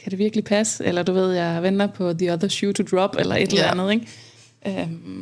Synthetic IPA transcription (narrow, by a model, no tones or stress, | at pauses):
kʰæɾe̝ʋiɐɡ̥əlipʰæsə̥elɐd̥uʋe̝ð̞̰ˠjɑ̈ɪʋen̰d̥ɐpʰɒ̽ðiɒðˠɐɕuːt͡sʰud̥ʁɒ̽b̥elɐʔe̝d̥elæænð̞̩ˠeŋ | ʔøm